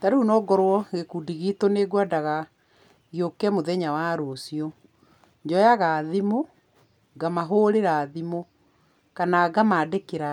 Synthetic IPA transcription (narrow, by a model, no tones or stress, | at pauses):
taɾeunɔːɡɔɾwɔɣekuːdiɣiːtoneɡwadaɣa | ɣjokɛmoðɛɲawaɾosiɔ | ɲd͡ʒɔjaɣaːðimo | ɡamaɦoːɾeɾaðimo | kanaɡamaːdekeɾa